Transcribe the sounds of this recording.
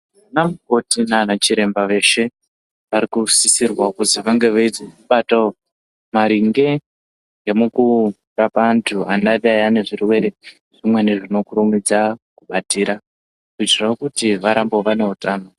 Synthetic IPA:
anamuko̞tinanat͡ʃiɾe̞mbaʋe̞ʃe̞ | ʋaɾikusisirwakuziʋaŋɡe̞ʋeid͡zeuɓato | maɾiŋɡe̞ | ŋɡemuku | rapantʰuandarajane̞ʐirwe̞ɾe̞ | ʐ̥imwe̞neʐino̞kuɾumid͡zakuɓatiːɾa | kuitiraokutiʋaɾambo̞ʋane̞utaːno

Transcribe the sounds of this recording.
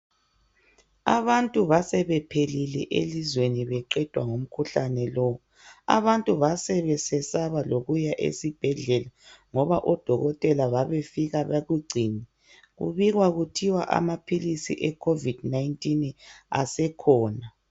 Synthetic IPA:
aβantʼuβasɛβɛpʰelilɛʔḛlizweniβɛǃɛd̥ʱwaŋom̩kʰuɬanɛlɔ | a̰βantʼuβasɛβɛsɛsaβaloɣujaʔḛsib̥ʱɛɮɛlaŋɔβaʔɔd̥ʱɔɣɔtʼɛlaβaβefiɣaβaɣuɡ͡ǀʱiːni | ɣṵβiɣwaɣutʰiwa̰ʔa̰mapʰilisiʔɛkʰovid̥naintʼina̰sɛkʰɔːna

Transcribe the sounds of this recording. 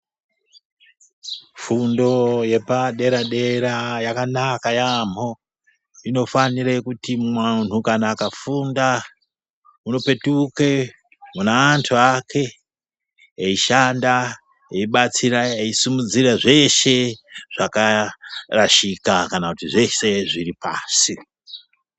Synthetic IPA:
fundo̞je̞paɗe̞ɾaɗe̞ɾajakanakajam̤o̞ | ino̞faniɾekutimwan̤ukanaːkafunda | uno̞pe̞tuke | munaːntʰuakʰe̞ | eiʃanda | eiɓat͡siɾaeisumud͡ziɾaʐe̞ʃe̞ʐ̥akaraʃikakanakutiʐe̞se̞ʐiripa̰ːsi

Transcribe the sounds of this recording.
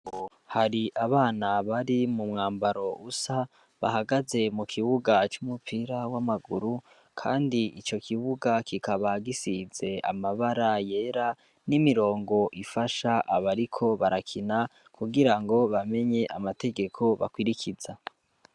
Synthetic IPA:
haɾiʔaβaːnaβaɾimumŋaːmbaɾo̞ʔusa | βa̰haɡaze̞mukʰiβuɡat͡ʃumupʰiːɾawamaɡuɾu | kʰa̰ːndiit͡ʃo̞kʰiβuɡakikaβaɡisize̞a̰maβaɾaje̞ːɾa | nimiɾo̞ːŋɡo̞ʔifaʃaʔaβaɾikʰo̞βaɾakʰina | kʰuɡiɾaŋɡo̞βame̞ɲe̞ʔamate̞ɡe̞kʰo̞βa̰kwiɾikʰiza

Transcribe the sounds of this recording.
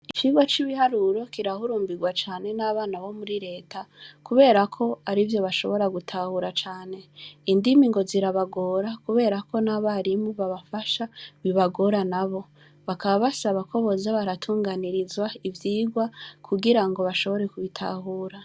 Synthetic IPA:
it͡ʃiːɡwat͡ʃiβihaɾuɾo̞kiɾahuɾuːmbiɡwat͡ʃaːne̞naβaːnaβo̞muɾiɾe̞ːtakuβe̞ːɾakʰo̞aɾivjo̞βaʃo̞̰βo̞ɾaɡutʰahuɾat͡ʃaːne̞indimiŋɡo̞ziɾaβaɡo̞ːɾakuβe̞ːɾako̞naβaɾimuβaβafaʃaβiβaɡo̞ɾanaβo̞ | βakaβaβasaβakʰoβo̞zaβaɾatʰuːŋɡaniɾizwaivjiːɡwakʰuɡiɾaŋɡo̞βaʃo̞βo̞ɾe̞kuβitʰa̰ɦuːɾa

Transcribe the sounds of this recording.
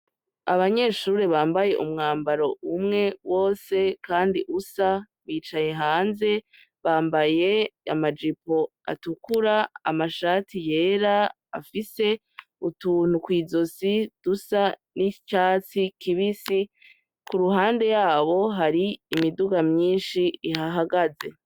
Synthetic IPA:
aβaɲe̞ːʃuɾeβaːmbaje̞ʔumŋaːmbaɾo̞umŋe̞wʔo̞ːse̞kaːndiʔusa | βiːt͡ʃaɲe̞ɦaːnze̞ | βaːmbaje̞amad͡ʒipo̞ | a̰tukuɾaːmaʃaːtije̞ːɾa | afise̞ | utuːn̥ukwiːzo̞sid̥usanit͡ʃaːt͡sikiβisi | kuɾuɦaːnde̞jaːβo̞ɦaɾiːmiduɡamɲiːnʃiiɦaɦaɡaze̞̰

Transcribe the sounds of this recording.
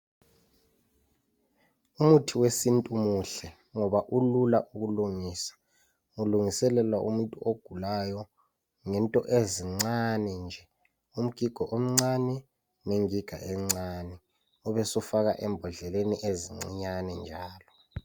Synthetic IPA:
umutʰiwesintʼumuɬɛ | ŋɔβaʔulula̰ʔukuluŋisḁ | uluŋisɛlɛlwaʔṵmuntʼuoɡ̥ʱulajɔ | ŋɛntʼɔʔeziŋ͡ǀanɛnd͡ʒʱɛ | um̩ɡ̥ʱiɡ̥ʱɔʔom̩ŋ͡ǀanɛ | neŋiɡ̥ʱa̰ʔɛŋ͡ǀanɛ | ɔβɛsɔfak̬a̰ʔɛmbʱɔɮɛleniʔeziŋ͡ǀiɲanɛnd͡ʒʱaːlɔ

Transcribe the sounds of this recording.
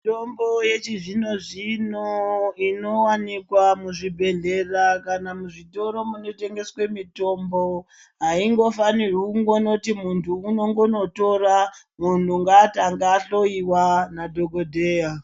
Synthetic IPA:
tombo̞je̞t͡ʃiʐino̞ʐinoino̞wanikwamuʐibʱe̞ɮe̞rakanamuʐito̞ɾo̞muno̞te̞ŋɡe̞swe̞mito̞mbo̞ | ɦaiŋɡo̞fanirwuuŋɡono̞timuntʰuːno̞ŋɡono̞to̞ɾa | muntuŋɡataŋɡaɬo̞iwanadʱo̞ɡodʱe̞ːja

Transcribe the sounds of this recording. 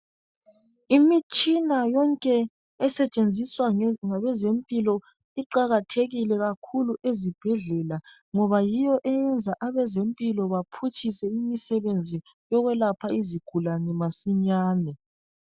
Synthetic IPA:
imit͡ʃʼinajɔŋkʼɛː | sɛt͡ʃʼend͡zʱiswaŋaβɛzempʼilɔ | iǃaɣatʰeɣilɛɣakʰuluezib̥ʱɛɮɛla | ŋɔβajijɔʔɛjɛnd͡zʱaʔaβɛzempʼilɔβapʰut͡ʃʰisɛimisɛβend͡zʱi | jɔɣwɛlapʰaiziɡ̥ʱulanɛmasiɲaːnɛ

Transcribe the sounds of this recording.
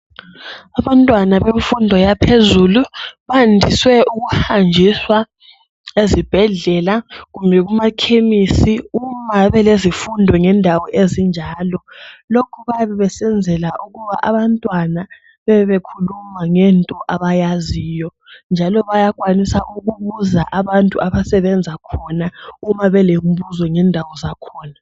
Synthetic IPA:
aβantʼwanaβeɱfundʱɔjapʰezuluβandʱiswɛuɣuhand͡ʒʱiswa | ezib̥ʱɛɮɛlaɣumbʱɛɣumakʰemisiumaβɛlezifundʱɔŋɛndʱawɔʔezind͡ʒʱaːlɔlokʰuβaβɛβɛsɛnd͡zʱɛlaʔuɣuβa̰ʔaβantʼwana | βɛβekʰulumaŋɛntʼɔʔaβajaziːjɔ | nd͡ʒʱalɔβajaɣwanisaʔuɣuβuzaʔaβantʼuaβasɛβɛnd͡zʱakʰɔnaumaβɛlembuzɔŋɛndʱawɔzakʰɔːna

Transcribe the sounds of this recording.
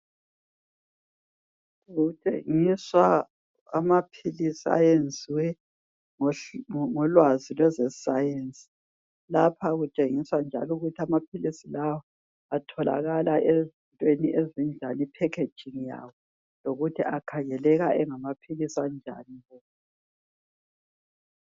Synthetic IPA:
ɣut͡ʃʼḛŋiswa | amapʰilisia̰jend͡zʱiwɛ | ŋɔŋɔlwazilwɛzɛsajensʼi̥ | lapʰaɣut͡ʃʼeŋiswand͡ʒʱa̰luɣutʰiamapʰilisilawɔ | atʰɔla̰ɣalaʔezintʼweniʔezind͡ʒʱanipʰɛkʰe̥d͡ʒ̥ʱiŋija̰wɔ | loɣutʰiʔakʰaŋɛlɛɣaʔɛŋamapʰilisand͡ʒʱa̰niβɔ

